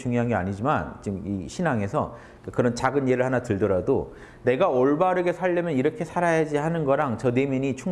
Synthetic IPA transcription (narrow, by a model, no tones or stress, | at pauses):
t͡ɕuŋiɦaŋea̰ɲid͡ʑima̰nt͡ɕimḭɕʰinaŋe̞sʰʌ̰ | kakɯɾʌnt͡ɕaɡɯnje̞ɾɯɭhanatɯɭdʌɾado | ne̞ɡaoɭbaɾɯɡe̞sʰaʎːʌmjʌniɾʌkʰe̞sʰaɾajad͡ʑiɦanɯnɡʌɾaŋt͡ɕʌne̞mjʌɲit͡ɕʰu